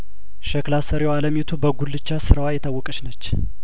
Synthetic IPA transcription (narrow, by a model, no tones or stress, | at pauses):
ʃəklasəɾjwaləmjet̪ʰubəɡulːɨt͡ʃːasɨɾawajɛt̪ʰawːɔkʼəʃnət͡ʃː